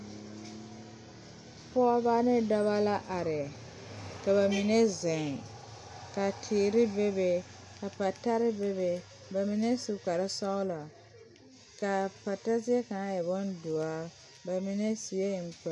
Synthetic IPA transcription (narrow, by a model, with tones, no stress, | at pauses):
pɔ˦ba˦nɪ˦da˦βa˦la˦ʔa˨ɾɪ˨ | ka˨ba˨mi˨ne˦zɪ˨ŋ | ka˨tʰɪː˨ɾɪ˦be˦be˨ka˨pa˨ta˦ɾɪ˦be˦be˨ | ba˨mi˨ne˦su˨ka˨ɾɪ˦sa˦ʊ˦la˨ | ka˨pa˨ta˦zi˦ɛ˦ka˨a˦ja˨bɔ˦ndu˨a˦ | ba˨mi˦ne˦si˨e˦˨ŋ̩˨k͡pɛ˨